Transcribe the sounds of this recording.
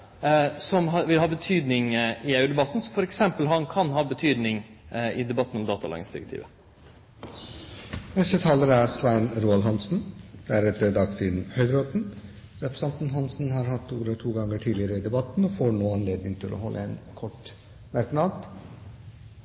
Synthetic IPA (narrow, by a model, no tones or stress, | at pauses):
sɔmɦɑʋɪlɦɑːbət̪ʰyːd̪nɪŋɪœʉd̪ɛbɑt̪ːn̩sɔfɔɾɛksɛmpəlɦɑnkʰɑnɦɑːbət̪ʰyːd̪nɪŋɪd̪ɛbɑt̪ːənɔmd̪ɑːt̪ɑlɑ̰ɡɪ̰ŋsd̪ɪɾɛkt̪ʰḭːʋə | nɛst̪ət̪ʰɑːləɾæɾsʋæɪnɾuːɑlɦɑnsn̩d̪̥ææɾɛt̪ːəd̪ɑɡfɪnhœʏd̪ɾɔt̪n̩ | ɾɛpʰɾəsɑnt̪nɦɑnsn̩hɑːɾhɑt̪ːuːʋəɾɔt̪ʰuːɡɑŋːəʈʰiːd̪lɪəɾəɪd̪ɛbɑt̪n̩ɔfoɳoːɑnleːd̪nɪŋt̪ʰɪlʔɔ̰ɦɔlːʔə̰ɛnkʰɔʈ | mæɾknɑd̪d̪